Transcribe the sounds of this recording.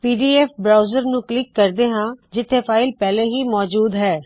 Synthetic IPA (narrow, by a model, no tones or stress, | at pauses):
piːɖiːɛːpbɾaːʊzəɾnũːklɪkːəɾd̪eːɦãːd͡ʒɪt̪ʰːeːpʰaːɪlpɛːleːɦiːmɔːd͡ʒuːd̪ɦɛː